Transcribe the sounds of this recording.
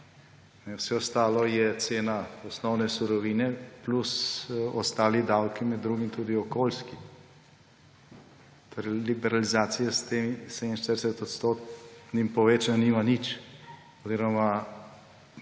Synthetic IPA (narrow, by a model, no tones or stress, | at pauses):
nɛwsɛɔst̪aːlɔjɛt̪seːnaɔsnɔwnɛsuɾɔʋiːnɛplusɔst̪aːlid̪awkimɛd̪ːɾuːɡimt̪uːd̪iɔkoːlski | t̪oːɾɛjlibɛɾalizaːt̪sijast̪emsɛd̪inʃt̪əɾdɛsɛt̪ɔt̪st̪oːt̪nimpɔʋeːt͡ʃananiːmanit͡ʃ | oziːɾɔma